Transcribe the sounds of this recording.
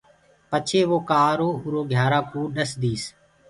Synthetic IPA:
pət͡ʃʰeːʋoːkaːɾoːʊɾoːɡʱjaːɾaːkuːɗəsd̪iːs

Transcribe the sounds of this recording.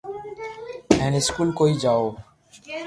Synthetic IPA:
ɛ̃ːnɪskulkoid͡ʒaːo

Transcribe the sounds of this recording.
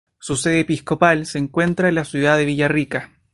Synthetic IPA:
suseðeːpiskopalseːŋkwe̞nt̪ɾaenlasjuðaðeβ̞iʝarika

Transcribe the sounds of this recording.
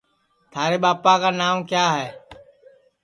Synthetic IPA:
t̪ʰaːɾeːɓaːpaːkaːnaːmkjaːɦɛː

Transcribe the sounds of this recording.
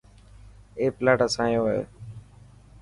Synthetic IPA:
eːplaːʈəsãːjoːɦəḛː

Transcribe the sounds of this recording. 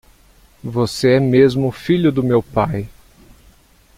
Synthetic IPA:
voseɛmezmʊfiʎʊd̪ʊmewpaj

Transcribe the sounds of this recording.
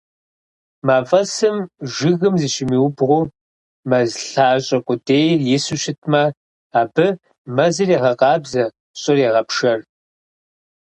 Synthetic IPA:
maːfʼɐsɨmʒɪɣɨmzɨɕɪmiːwʊbʁʷʊ | mɐzɬaːɕʼɐkʷʼʊdeːjrjɪsuɕɪtʰmɐ | aːbɨ | mɐzɨreːʁɐqʼɑːbzɐ | ɕʼɪreːʁɐpʂɐr

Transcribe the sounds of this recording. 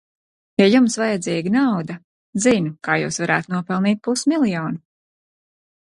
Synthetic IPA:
jajumsvajɛd̪ziːɡanawd̪ɐ | zinukaːjṵːsvaɾaːt̪nuɔpɛlˠniːt̪̚pusmilˠjɔːnu

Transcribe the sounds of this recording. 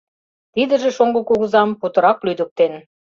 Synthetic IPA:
t̪id̪ə̆ʒĕʃoŋɡŏkuɣə̆zɑmput̪ɤ̆ɾɑklyd̪ə̆k̚t̪en

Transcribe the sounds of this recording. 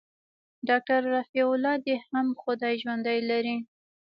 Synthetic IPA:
ɖɑk̚ʈaɾːafiʊlɑd̪ehamxʊd̪ɑjʒwand̪ajlaɾi

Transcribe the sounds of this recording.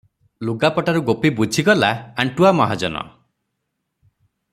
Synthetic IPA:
luɡapɔʈaɾuɡopibud͡ʒʱiɡɔlaːɳʈuamɔɦad͡ʒɔnɔ̰

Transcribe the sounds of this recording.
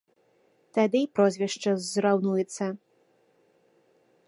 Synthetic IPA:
t̪ad̪ɨjpɾɔzʲvʲɛʂt͡ʂɐzɾawnujɛt̪sːɐ

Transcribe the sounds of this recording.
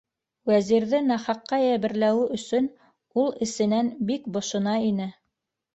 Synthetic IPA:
wæziɾðɘnæχɑqːɑjæβɘ̆ɾlæwɘʔɵ̆sɵn | ulˠɘ̆sɘ̆nænbikbŏʃɤ̆nɑinɘ

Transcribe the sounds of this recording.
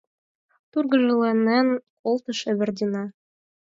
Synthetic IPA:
t̪urɡɤ̆ʒɤ̆lˠɑnːæn | olˠt̪ɤ̆ʃɘ̆βɘ̆rd̪ʲinɑ

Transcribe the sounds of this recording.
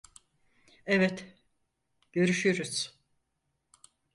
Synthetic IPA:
ɛvɛt̪ | ɟ̥ø̞ɾyʃyɾuz̥

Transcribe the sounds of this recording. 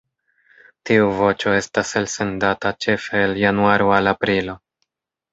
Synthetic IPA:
tiuvo̞t͡ʃo̞e̞staselse̞ndatat͡ʃe̞fe̞ːljanuaɾoalapɾilo̞

